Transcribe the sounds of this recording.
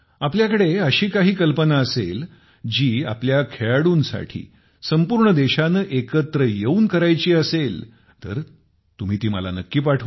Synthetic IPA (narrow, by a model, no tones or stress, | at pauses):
apljakəɽeəɕiːkaɦiːkəlpənaəsel | d͡ʑiːa̰pljakʰeɭaɽuːnsa̰ʈʰḭː | səmpuːɾɳəd̪eɕanəʔekət̪ɾəjeuːnkəɾajt͡ɕiːəsel | t̪ə̰ɾ | t̪um̤iːt̪iːməla̰nəkːiːpaʈʰə